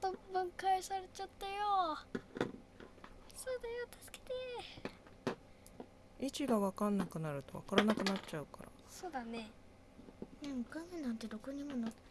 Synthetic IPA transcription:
t̪obɯ̟̃ŋkaisaɾet͡ɕat̪ːajo | soːd̪ajot̪ḁsɨ̥ke̥t̪e | it͡ɕiɡaβakanːakɯ̟naɾɯ̟t̪o̞βa̰kaɾanakɯ̟nat͡ɕaɯ̟kaɾa̰ | so̞ːd̪ane̞ | neokanenãnt̪e̞d̪o̞koɲ̟imo̞na

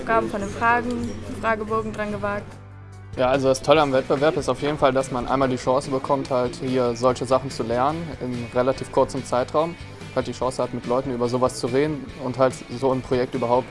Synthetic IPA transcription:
fɡ̥aːbm̩fɔndeːnfʁ̥aːɡŋ̩fʁ̥aːɡəbɔɐɡŋ̩dʁanɡəvaːk̚t | jaːʔalzodastʰɔləamvɛt̚b̥əvɛɐpɪstaʊfjeːdn̩faldasmanʔa̰ɪnmaːldiːʃɑ̃ːsəbəkʰɔmthalthiːɐzɔlçəzaχn̩t͡sulɛɐnənɪnʁelatʰiːfkʰʊɐt͡səm̩t͡saɪtʁ̥aʊm | halt̚d̥iːʃɑ̃ːsəhatmɪtlɔʏtn̩yːbɐzoːvast͡suʁeːdn̩ | ʊnthaltzoːnpʁ̥ojɛktʔyːbɐɦaʊp̚t

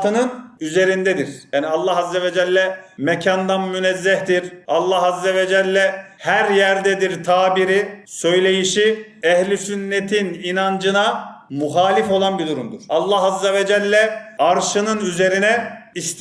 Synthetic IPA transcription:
t̪ɯnɯnyze̞ɾind̪ɛd̪iɾ̥jaːniɑlˠːɑɦazːevɛd͡ʒɛlʲːɛmɛcʰand̪anmynɛzːɛhd̪iɾɑlˠːaɦazːevɛd͡ʒɛlʲːɛhæɾjæɾd̪ɛd̪iɾt̪ʰaːbiɾisø̞jlʲe̞jiʃi | ɛhlʲisynːet̪ʰininand͡ʒɯnamuxaːlʲifo̞lˠanbid̪uɾumd̪uɾ̥ɑlˠːaɦazːevɛd͡ʒɛlʲːɛaɾʃɯnɯnyze̞ɾinɛist̪

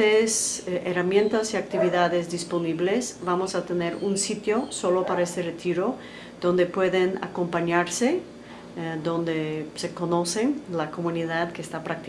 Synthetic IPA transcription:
eseramjẽ̞nt̪asiak̚t̪iβiðaðezðispo̞niβle̞sβamosat̪ene̞ɾunsit̪jo̞so̞lo̞paɾaest̪eret̪iɾo̞ | ð̥o̞nd̪e̞pwe̞ðena̰ko̞mpaɲaɾse | ðõ̞nd̪ese̞ko̞no̞senlako̞mũniðaðkeːst̪apɾak̚t̪i

